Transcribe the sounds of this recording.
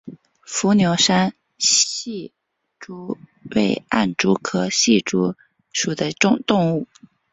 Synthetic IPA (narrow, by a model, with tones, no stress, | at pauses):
fu˧˥njo˧˥ʊʂa˥n | ɕi˥˩ | ʈ͡ʂu˥we˥˩ɪa̰˥˩nʈ͡ʂu˥kʰɤ˥ɕi˥˩ʈ͡ʂu˧˥ | ʂu˨˩d̪ə˦ʈ͡ʂʊ˥˧ŋt̪ʊ˥˧ŋu˥˩